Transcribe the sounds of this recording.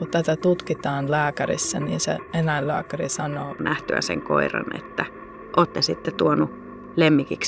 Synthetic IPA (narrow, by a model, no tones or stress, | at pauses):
kut̪æt̪æt̪ut̪kit̪ɑːnlæːkærḭsːænḭːnsḛenæillæ̰ːkærisɑnoːnæht̪øæ̰sḛŋko̰irɑ̰nḛt̪ːæ | ʔoːt̪ːesit̪ːet̪uonu | lemːikiks